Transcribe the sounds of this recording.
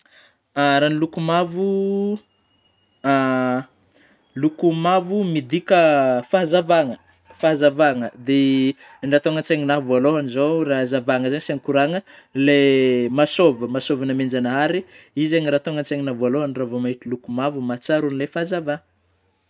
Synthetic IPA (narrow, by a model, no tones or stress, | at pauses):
aɾanilukumavu | a | lukumavumid̪ikəfaɦzavaŋə | faɦazavaŋəd̪e | ɳɖ͡ʐat̪oŋant͡seŋinavaloɦanizorazavaŋəzaɲisanikuɾaŋəlemasovəmasovanamend͡ʒanəɦaɾiizeɲiɾat̪oŋant͡seŋinavaloɦaniravomaiʈ͡ʂilukumavumat͡saɾunilefazava